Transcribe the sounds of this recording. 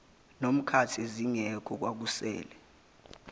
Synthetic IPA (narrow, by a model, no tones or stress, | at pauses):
nom̩kʰatʰeziŋɛkʰɔk̬wak̬usɛ̰ːlɛ